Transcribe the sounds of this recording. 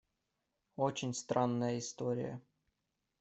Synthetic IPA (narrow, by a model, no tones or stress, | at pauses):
ot͡ɕɪnʲst̪ɾʔanːəjəɪst̪oɾʲɪ̰jə̰